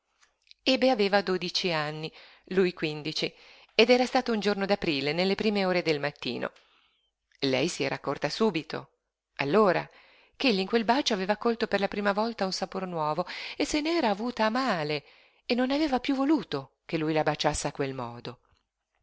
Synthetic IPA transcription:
ebeaveːvad̪oːd̪it͡ʃianːi | lujkwind̪it͡ʃi | ed̪ɛːɾast̪aːt̪ound͡ʒornod̪apɾiːlenelːepɾiːmeoːɾed̪elmat̪ːḭːnʔo̰ | lɛjsiɛɾʔakːort̪asuːbit̪o̰ | a̰lːoːɾa̰ | keʎːiŋkwelbaːt͡ʃoaveːvaːkːolt̪operlapɾiːmavɔlt̪aunsapornwɔːvoesːeneɛːɾaːvuːt̪aːmaːle | enːonaveːvapjuvoluːt̪o | kelːujlabat͡ʃasːeakwelmɔːd̪o

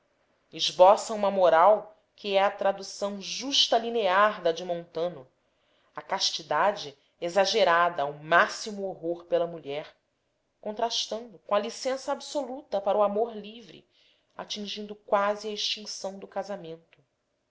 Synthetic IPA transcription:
ɪʒbɔsɐ̃ũmɐmoɾaw | kʰɪɛɐt̪ɾad̪usɐ̃w̃ʒuʃt̪ɐlineaɾd̪ɐd͡ʒɪmõnt̪ɐ̃nʊ | ɐkaʃt͡ʃid̪ad͡ʒɪ | ezaʒeɾad̪ɐːwmasimuoɦoɾpelɐmuʎɛɾ | kõnt̪ɾaʃt̪ɐ̃nd̪ʊkõɐlisẽsɐabsolut̪ɐpaɾuamoɾlivɾɪ̰ | a̰t͡ʃĩŋʒĩnd̪ʊkwaziɐiʃt͡ʃĩŋsɐ̃w̃d̪ʊkazamẽnt̪ʊ

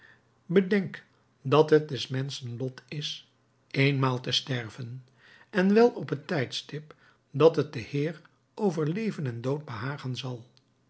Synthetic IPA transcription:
bədɛŋk | dɑtɦət̚dɛsmɛnsənlɔtʰɪs | ejnmaːlˠtəstɛɹvən | ɛnʋɛlˠɔpɦətɛjtstɪp | dɑtɦət̚dəhɪːr | ʔowvəɹlejvənɛndowd̚bəɦaːχənzɑlˠ

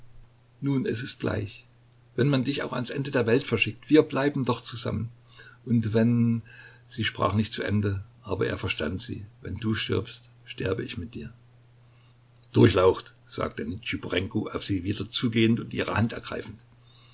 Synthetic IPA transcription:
nuːnɛ̰sɪst̚ɡ̥la̰ɪç | vɛnmandɪçaʊxa̰nsʔɛndədeːɐvɛltfɛɐʃɪk̚tv̥iːɐblaɪbm̩dɔχt͡suza̰mən | ʔʊntvɛn | z̥iːʃpʁ̥a̰ːχnɪçtt͡suʔɛ̰ndəʔaːbɐ̰ʔḛːɐfɛɐʃta̰ntz̥ḭːvɛ̰nduːʃtɪ̰ɐpst | ʃtɪɐbəɪçmɪt̚d̥iːɐ | d̥ʊɐçlaʊxtz̥a̰ːk̚tənɪt͡ʃipuʁɛŋkoʔaʊfz̥iːviːdɐt͡suːɡeːəntʊntʔiːʁ̞ə̰hantɛɐɡ̥ʁa̰ɪfn̩t

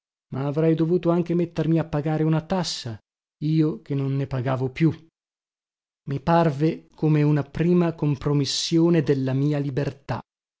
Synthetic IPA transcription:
maːvɾɛjd̪ovuːt̪oaŋk̟emet̪ːermiapːaɡaːɾeunat̪asːa | iːok̟enonːepaɡaːvopju | miparvekʰomeunapɾiːmakompɾomisːjoːned̪elːamiːalibert̪a̰

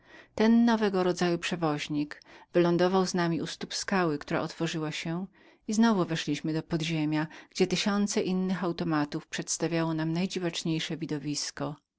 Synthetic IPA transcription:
t̪ɛnːɔvɛɡɔɾɔd̪zajupʂɛvɔʑɲikvɘlɔnd̪ɔvawznamʲiust̪upskawɘkt̪uɾa̰ʔɔt̪fɔʐɘwaɕɛ | iznɔvuvɛʂlʲiɕmɘd̪ɔpɔd̪ʑemʲjaɡ̥d͡ʑɛt̪ɘɕɔnt̪sɛʔinːɘxawt̪ɔmat̪ufpʂɛt̪st̪avʲjawɔnamnajd͡ʑivat͡ʂɲejʂɛvʲid̪ɔvʲiskɔ

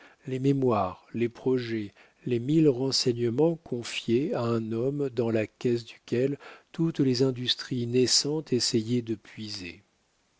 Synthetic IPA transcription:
lememwaʁlepχɔʒɛ | lemilʁɑ̃sɛɲəmɑ̃kʰɔ̃fjeaɛ̃nɔmd̪ɑ̃lakʲɛs̬d̪ykʲɛlt̪ut̪lezɛ̃d̪yst̪χinɛsɑ̃t̪esɛjɛd̪əpɥize

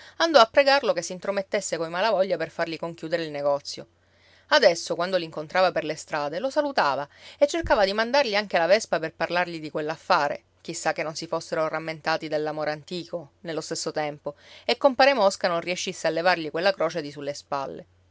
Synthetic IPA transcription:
and̪ɔapːɾeɡarlokesːint̪ɾomet̪ːesːekoimalavɔʎːaperfarʎikoŋkjuːd̪eɾeilneɡɔt̪sːjo̰ | ad̪ɛsːokwand̪oliŋkont̪ɾaːvaperlest̪ɾaːd̪elosalut̪aːvaet͡ʃːerkaːvad̪imand̪arʎiaŋk̟elavɛspaperparlarʎid̪ikwelːafːaːɾḛ | k̟isːakːenːonsifosːeɾoramːent̪aːt̪id̪elːamoːɾeant̪iːkonelːost̪esːot̪ɛmpoekːompaːɾemɔskanonrieʃːisːealːevarʎikwelːakɾɔːt͡ʃed̪isulːespa̰lːḛ

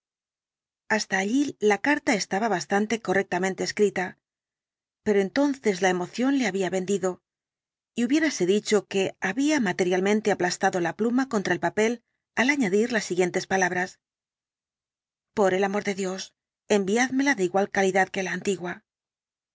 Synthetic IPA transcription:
ast̪aːʎilakaɾt̪ae̞st̪aβaβast̪ant̪e̞ko̞re̞k̚t̪amẽ̞nt̪e̞ːskɾit̪a | pe̞ɾo̞e̞nt̪o̞nθe̞zlae̞mo̞θjo̞nle̞aβiaβe̞nd̪iðo̞ | iuβje̞ɾase̞ðit͡ʃo̞ke̞aβiamat̪e̞ɾjalmẽ̞nt̪e̞aplast̪aðo̞laplumako̞nt̪ɾaelpape̞l | alaɲaðiɾlasːiɣje̞nt̪e̞spalaβ̞ɾas | po̞ɾe̞lamo̞ɾðe̞ðjo̞s | e̞mbiaðme̞laðeiɣwalkaliðaðke̞laːnt̪iɣwa

